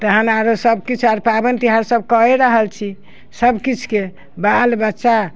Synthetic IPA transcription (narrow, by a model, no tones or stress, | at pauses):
t̪əɦənaɾosəbkit͡ʃʰaɾpabənt̪iɦaɾsəb̚kəeɾəɦəlt͡ʃʰi | səbkit͡ʃʰke | balbətːʃa